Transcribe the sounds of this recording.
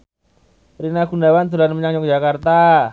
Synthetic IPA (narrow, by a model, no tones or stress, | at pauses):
rinaɡ̥unawand̪ṳlanməɲaŋɲʊk̚d͡ʒakart̪a